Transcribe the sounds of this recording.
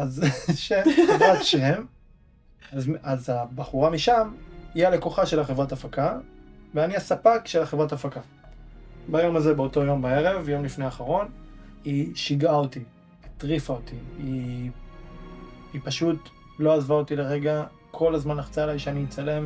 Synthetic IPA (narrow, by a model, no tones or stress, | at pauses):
azʃemχevʁatʃem | zazabaχuʁamiʃamiale̞koχaʃe̞laχevʁatafakaveaniasapakʃelaχevʁatafaka | bajo̞mazebeo̞to̞jo̞mbae̞ʁe̞vjo̞mlifneaːχaʁo̞niʃiɡaoti | it̪ʁifaotii | paʃut | lo̞azvaotileʁe̞ɡa | kʰo̞lazmanaχt͡saelajʃeanit͡sale̞m